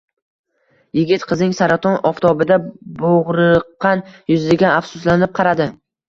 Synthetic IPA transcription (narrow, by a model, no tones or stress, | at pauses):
jɪɡʲɪt̪qʰɨznɪŋsaɾat̪ʰɒnɒft̪ɒbɪd̪aboʁɾɨqːɑnjʊzlɪɡʲaafsʊslanɪp̚qʰɑɾad̪ɪ